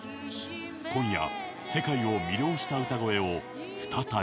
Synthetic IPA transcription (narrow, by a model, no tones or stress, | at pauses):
kõ̞ɰ̃ja̰ | se̞kaio̞mʲiɾʲjo̞ːɕi̥t̪aɯ̟t̪aɡoe̞o | ɸɯ̟̥t̪ʰat̪a